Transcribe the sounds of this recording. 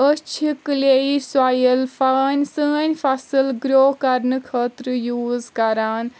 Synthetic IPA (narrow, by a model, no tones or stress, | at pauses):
ət͡ʃʰikleiswaːjəlfʰaːnʲsəːnʲfʰɐsɨlɡɾoːkɐɾnɨkʰəːt̪ɾɨjuːzkɐɾaːn